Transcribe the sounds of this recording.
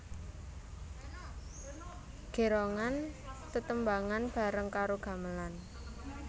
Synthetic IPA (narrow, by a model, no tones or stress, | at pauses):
ɡ̥e̤ɾoŋant̪ət̪əmbaŋanb̥a̤ɾəŋkaɾoɡ̥a̤məlan